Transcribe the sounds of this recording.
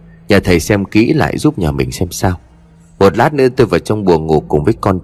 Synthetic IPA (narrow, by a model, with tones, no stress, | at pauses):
ɲaː˨˩t̪ʰə˨˩jsɛ˧mkḭ˧˥la̰ː˧˨jzu˦˥p̚ɲaː˨˩mï˨˩ŋ̟sɛ˧msaː˧w | mo˨˩t̚laː˦˥t̚nɨ̰˧˥ət̪oː˧jvaː˨˩wt͡ɕɔ˧wŋ͡mɓu˨˩əŋo˨˩kːʊ˨˩ŋ͡mvəː˨˦jkɔ˧n